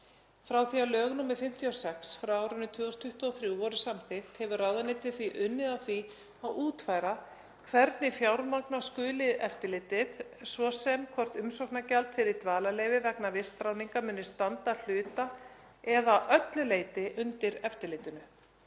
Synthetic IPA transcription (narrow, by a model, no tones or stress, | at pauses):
fɾawθiawlœːɣnuːmːɪfɪm̥t̪ʰjiawsɛksfɾawawɾʏnːʏt̪ʰʏːɔst̪ʰʏht̪uaθɾjuɔɾʏsamθɪxt̪hɛvʏrawðanejt̪ɪ̥θviʔʏnːɪðawθi | awʔuːt̪fajɾa | kʰvɛɾt̪nɪfjawɾmaknaskʏːlɪðɛft̪ɪlɪːt̪ɪðsvɔsɛmkʰvɔr̥t̪ʏmsɔknacɛlt̪fɪɾɪɾt̪vaːlaleːjvɪvɛknavɪst̪ɾawniŋkamʏːnːɪst̪ant̪al̥ʏːt̪a | ɛðaʔœt̪lʏleːjt̪ɪʔʏnt̪ɪɾɛft̪ɪɾlɪːt̪ʏnʏ